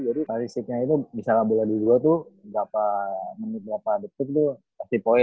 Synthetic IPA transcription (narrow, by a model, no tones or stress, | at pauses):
d͡ʒadisaɾisɪk̚ɲait̪ubisalabuladiduat̪uɡapamənɪt̪̚bɾapadət̪ɪk̚t̪ʊ | past̪ipoɛ